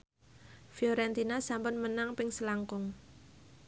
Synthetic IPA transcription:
fjɔɾɛnt̪inasampʊnmənaŋpɪŋsəlaŋkʊŋ

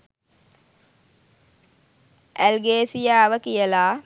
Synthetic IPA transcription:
ʔælɡeːsijaːʋəkijəlaː

